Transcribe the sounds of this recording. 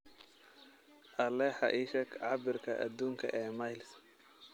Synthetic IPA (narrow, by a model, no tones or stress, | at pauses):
ʔɐlɛħɑ̰ʔɪʃɐkʰʕɑbɪrkʰɐʔɐ̰d̪uːŋkʰɐ̰ʔɛːmajls